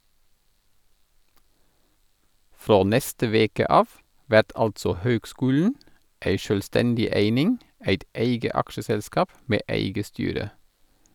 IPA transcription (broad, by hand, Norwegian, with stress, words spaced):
ˈfɾoː ˈnɛstə ˈʋeːkə ˈɑːf ˈʋæt ˈɑltsɔ ˈhøːɡˌskʉːln̩ ˈeɪ ʃøːlˈstɛndɪ ˈeɪnɪŋ ˈæɪt ˈeɪɡə ˈɑkʃəˌsɛlskɑːp ˈmeː ˈæɪɡə ˈstyːɾə